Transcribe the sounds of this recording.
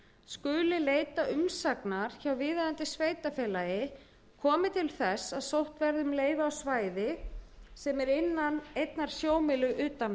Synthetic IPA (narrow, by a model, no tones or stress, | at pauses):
skʏːlɪleːjt̪aʔʏmsaknaɾ̥çawvɪːðaðant̪ɪsveːjt̪afɛːlajɪ | kʰɔːmɪt̪ʰɪlθɛsaðsowht̪vɛɾðʏmleːjvaawsvaːjðɪsɛmɛɾɪnːanejt̪naɾ̥sjoːwmɪlʏʔʏːt̪an